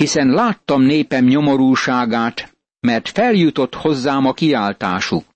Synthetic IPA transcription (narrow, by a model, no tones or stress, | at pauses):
hisɛnlaːt̪ːɒmneːpɛmɲo̞mo̞ɾuːʃaːɡaːt̪ | mɛrt̪fɛljut̪o̞t̪ho̞zːaːmɒkiaːlt̪a̰ːʃuk